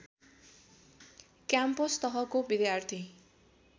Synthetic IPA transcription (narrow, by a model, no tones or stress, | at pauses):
kjampost̪ʌɦʌkobid̪jart̪ʰi